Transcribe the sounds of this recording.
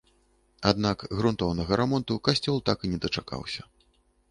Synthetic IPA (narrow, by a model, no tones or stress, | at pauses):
ad̪nakɣɾunt̪ɔwnɐɣɐɾamɔnt̪ukasʲt͡sʲɔlˠt̪akɨnʲɛd̪ɐt͡ʂaka̰wsʲɐ